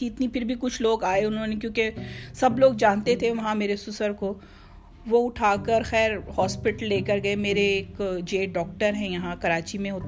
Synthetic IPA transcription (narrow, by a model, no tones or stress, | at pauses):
iɪt̪nipɪɾbʱikʊt͡ʃʰloːɡaːeʊnɦõnek̬jõːkesɐbloːɡ̚d͡ʒãːnt̪et̪ʰeʋɐɦãmeːɾesʊsəɾko | ʋoʊʈʰaːkəɾxɛːɾhɔːspɪʈəlːeːkəɾɡɐemeːɾeːkd͡ʒeːɖɔːk̚ʈəɾɦɛ̃jɐɦãkɐɾaːt͡ʃimẽɦoːt̪